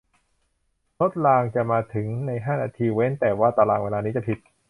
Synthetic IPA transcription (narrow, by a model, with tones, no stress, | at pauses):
lʰo˦˥t̪̚laː˧ŋt͡ɕa˨˩maː˧t̪ʰɯ˩˦ŋna˧jɦaː˥˩naː˧t̪ʰiː˧we˦˥nt̪ɛː˨˩waː˥˩t̪a˧laː˧ŋweː˧laː˧niː˦˥t͡ɕa˨˩pʰi˧t̪̚